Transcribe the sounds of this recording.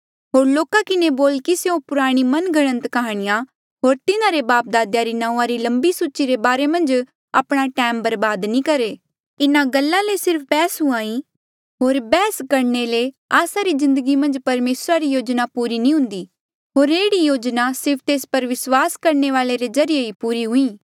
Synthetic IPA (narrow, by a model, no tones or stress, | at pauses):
ɦoːɾloːkakɪneboːlkiseõpʊɾaːɽ̃imɐnɡɐɽ̃ə̃nt̪kɐɦaːɽ̃ɪja | ɦoːɾt̪ɪnãɾebaːp̚d̪aːd̪jaɾinãːũãɾilɐ̃mbisuːt͡ʃiɾebaːɾemɐ̃nd͡ʒ | apɽ̃aʈɛːmbɐɾbaːd̪nĩkɐɾeː | ɪnãɡɐlːãlesɪɾpʰbɛːsɦũaːi | ɦoːɾbɛːskɐɾnele | aːsaɾizɪ̃nd̪əɡimɐ̃nd͡ʒpɐɾmeːsɾaɾijoːd͡ʒnapuːɾinĩɦʊ̃nd̪iː | ɦoːɾeːɽijoːd͡ʒnasɪɾpʰt̪eːspɐɾʋɪswaːskɐɾneʋaːleɾezɐɾɪjeɦipuːɾiɦʊ̃ĩː